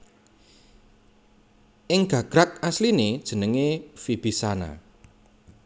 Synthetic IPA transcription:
ʔɪŋɡ̥ä̤ɡ̥ɾak̚aslined̥ʒ̥ə̤nəŋefib̥isana̰

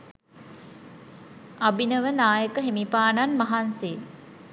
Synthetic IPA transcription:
abinəʋənaːjəkəɦemipaːnanmɐɦanseː

